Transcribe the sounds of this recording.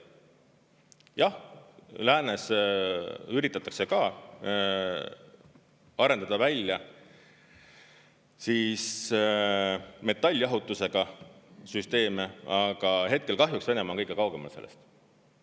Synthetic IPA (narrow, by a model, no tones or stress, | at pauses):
jɑhlæːne̞s | yɾit̪ːˑɑt̪ːˑɑkse̞kɑː | ɑɾe̞nd̪ɑd̪̥ɑvælʲjɑ | siːs | me̞t̪ːˑɑlʲːjɑɦut̪ːˑuse̞ɡ̥ɑsyst̪e̞ːmeɑɡ̥ɑɦe̞t̪̚ke̞lkɑɦjuksve̞nemɑːŋkɤjɡ̥ekɑwɡ̥e̞mɑ̰lt̪se̞̰lːest̪